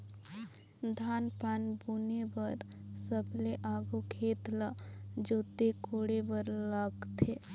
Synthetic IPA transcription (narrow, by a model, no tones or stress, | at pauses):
d̪ʱaːnpaːnbunebəɾsəbleʔaːɡukʰeːt̪lad͡ʒoːt̪ekoːɽebəɾlaɡt̪ʰe